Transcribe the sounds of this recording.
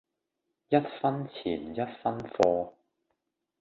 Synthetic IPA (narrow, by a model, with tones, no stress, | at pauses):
jɐ˥t̚fɐ˥nt͡sʰiː˨˩njɐ˥t̚fɐ˥nfɔː˧